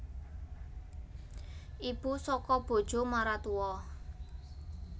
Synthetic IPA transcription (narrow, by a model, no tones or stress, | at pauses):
ʔib̥usɔkɔb̥o̤d̥ʒ̥o̤maɾat̪uwɔ